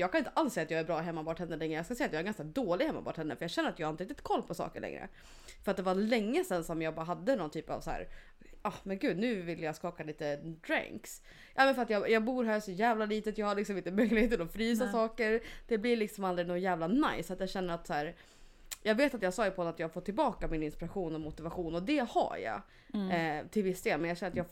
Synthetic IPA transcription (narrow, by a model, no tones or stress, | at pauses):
jɑːɡkʰanɪnt̪ʰəʔalsːɛjːat̪jɑːɡæɾbɾɑːɦɛmːabɑːʈhɛnːəlɛŋɾəjɑːskasɛjːat̪jɑːɛɾɡanskad̪oːlɪɡhɛmːa̰bɑ̰ːʈhɛnːəfœɾjɑɡɕɛnːɾat̪jɑhaɾɪnɾɪk̚t̪ɪt̪kʰɔlːpʰɔsɑ̰ːkəɭʔɛ̰ŋɾə̰ | fœɾat̪̚d̪ɛvalɛŋːəsɛnsɔmjɑːɡbɑːɾaɦad̪ːənɔnt̪ʰyːpa̰vsæ̰ːɾ | ɑhmɛnɡʉ̟ːd̪nʉ̟ːvɪlːəjɑːskɑːkaliːt̪əd̪ɾa̰ŋks | jʔɑːmɛnfœɾat̪jɑjɑːɡbuːɾɦaːsɔjæːvlaliːt̪ət̪jɑɡhaɭɪksɔmɪnt̪əmœjlɪheːt̪ːɛlɔfɾiːsasɑːkəɾd̪̥ɛblɪlɪksɔmald̪ɾɪɡnoɡjæːvlana̰jsːat̪jɑɕɛnːəɾat̪sæːɾ | jɑːɡveːt̪at̪jɑːɡsɑːjəpʰɔɔnat̪jɑːhafɔt̪ːɪlbɑːkamɪnɪnspɪɾaɧuːnɔmʊt̪ɪvaɧuːnɔd̪ɛha̰ɾja̰ | t̪ʰɪlvɪsːd̪eːlmɛnjɑːɕɛnːɾat̪jɑ